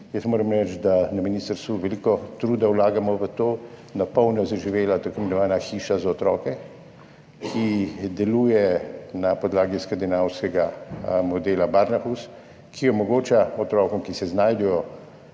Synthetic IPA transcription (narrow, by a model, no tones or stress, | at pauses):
jəsmoːɾɐmɾɛt͡ʃd̪anaminist̪əɾst̪ʋuʋɛlikɔt̪ɾuːd̪awlaːɡamɔʋət̪oː | napɔwnɔzaʒiʋeːlat̪akɔmɛnɔʋaːnaxiːʃazaɔt̪ɾɔːkɛ | kʰid̪ɛluːjɛnapɔd̪laːɡiskand̪inawskɛɡamɔd̪eːlabaɾnaxus | kʰiɔmɔɡoːt͡ʃaɔt̪ɾɔːkɔmkisɛznaːjd̪ɛjɔ